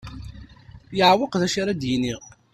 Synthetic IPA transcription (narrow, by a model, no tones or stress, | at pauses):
jəʕwəqðæʃiɾˤæd̪jiniʁ